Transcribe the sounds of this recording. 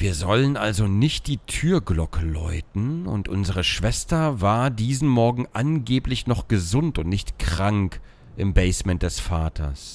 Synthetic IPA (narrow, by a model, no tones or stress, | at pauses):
v̥iːɐzɔlənʔalzonɪçt̚d̥iːtʰyːɐɡlɔkʰəlɔʏtn̩ʊ̰ntʔʊnzəʁ̞əʃv̥ɛstɐvaːɐdiːzn̩mɔɐɡŋ̩ʔanɡeːplɪçnɔχɡ̥əzʊntʊntnɪçtkʁ̥aŋk | ʔɪmbɛɪsmɛnt̚d̥ɛsfaːtʰɐ̰s